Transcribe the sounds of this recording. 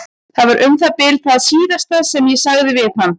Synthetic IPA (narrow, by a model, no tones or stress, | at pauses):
θaðvaɾʔʏmθaðpɪlθaðsiːðast̪aðsɛmjɛsaɣðɪvɪð̥hanː